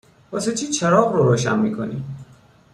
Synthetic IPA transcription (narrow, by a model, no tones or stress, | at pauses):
bɔset͡ʃʰit͡ʃʰeɾɔːɣɾɔɾoːʃa̰nmḭkʰo̰nḭ